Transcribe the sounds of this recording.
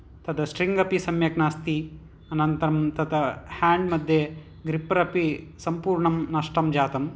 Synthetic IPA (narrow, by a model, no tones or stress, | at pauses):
t̪ɐd̪ɐsʈɾiŋɡɐpisɐmjɐknaːst̪i | ɐnɐnt̪ɐɾɐmt̪ɐd̪ɐhaːɳɖmɐd̪ʱje | ɡɾipɐɾɐpisɐmpuːɾɳɐmnɐʂʈɐmd͡ʒaːt̪ɐm